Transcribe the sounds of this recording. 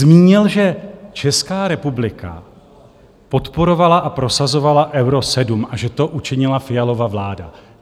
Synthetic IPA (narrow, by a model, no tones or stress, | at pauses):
miːɲɪlʒɛt͡ʃɛskaːɾɛpublɪka̰ | po̞t̪po̞ɾo̞valaʔapɾo̞sazo̞valaʔɛwɾo̞sɛdumʔaʒɛt̪o̞ʔut͡ʃɪɲɪlafɪjalo̞vavlaːda̰